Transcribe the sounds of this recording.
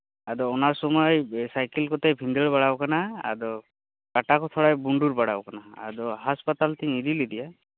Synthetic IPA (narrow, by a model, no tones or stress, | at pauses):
ad̪ɔːnasɔmɔjsajkelkɔt̪ejbʱind̪əɭbaɽabkanaa̰d̪ɔ | kaʈakɔt̪ʰɔɽajbuɳɖuɾbaɽa̰bkana̰ːd̪ɔɦaspat̪alt̪ĩid̪ilid̪ija